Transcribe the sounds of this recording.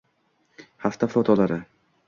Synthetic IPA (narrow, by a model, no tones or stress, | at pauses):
haft̪ʰafɒt̪ʰɒlaɾɪ